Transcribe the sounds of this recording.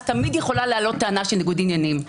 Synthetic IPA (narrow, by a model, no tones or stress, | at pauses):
tamidjeχo̞lalealo̞t̪ːeanaʃelneɡud̪injanim